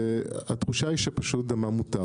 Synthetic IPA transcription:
atχuʃaiʃapaʃut̚damamuta

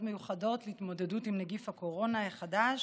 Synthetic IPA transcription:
dmejuχado̞tleitmo̞de̞dutimneɡifhako̞ʁo̞naeχadaʃ

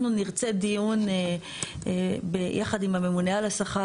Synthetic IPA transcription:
nuniʁt͡se̞d̪ijun | bejʔaχadimame̞munealasaχa

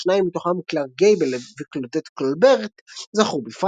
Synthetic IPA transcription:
naimːit̪oχamklaʁɡejbelviklod̪et̪kolbeʁt̪zaχubifʁ

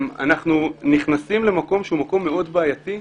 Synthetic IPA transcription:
ma̰naχnuniχnasimle̞mako̞mʃeumako̞mːeo̞d̪beajat̪i

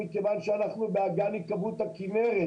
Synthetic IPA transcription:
ikevanʃeanaχnubeaɡanikabut̪akimeʁe

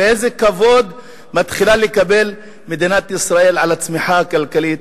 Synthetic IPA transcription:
eezekavo̞d̪ | mat̪χilalekabe̞l | med̪inat̪isʁaʔe̞lʕalat͡smiħakalkalit̪

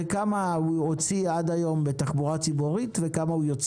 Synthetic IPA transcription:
kamahuot͡siad̪ajo̞mbe̞taχbuʁat͡sibuʁitve̞kamaujo̞t͡s

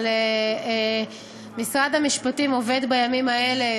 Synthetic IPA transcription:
le | misʁad̪hamiʃpatimo̞ve̞d̪bajamimae̞le

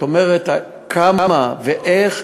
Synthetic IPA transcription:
omeʁeta | kʰamamaveʔeχ

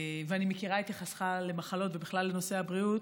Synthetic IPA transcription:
veanimekiʁaet̪aχasχale̞maχalo̞tvebiχlalːeno̞se̞abʁiut̪

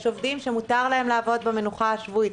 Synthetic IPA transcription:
ʃovdimʃemut̪aʁlae̞mlaːvo̞d̪̚beme̞nuχaaʃvui

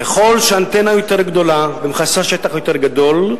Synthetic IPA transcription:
keχo̞lʃeant̪enajo̞t̪eʁɡd̪o̞labemχasaʃet̪aχjo̞t̪eʁɡad̪o̞l

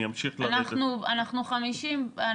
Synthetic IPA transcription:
amʃiχlanaχnuanaχnuχamiʃima

